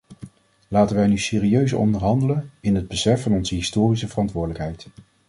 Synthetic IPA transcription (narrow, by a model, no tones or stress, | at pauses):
laːtənʋɛjnysɪːriøɥsɔ̰ndəɹɦɑndələnɪnɦəd̚bəsɛfːɑnɔnzəɦɪstoːrisəvərɑntʋʊːdələkɦɛjt